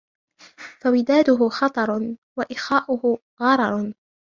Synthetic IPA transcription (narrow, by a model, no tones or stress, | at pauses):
fawɪd̪aːd̪ʊɦʊxɑt̪ˤɑɾˤwaʔɪxaːʔʊhʊ | ɣɑɾˤɑɾˤ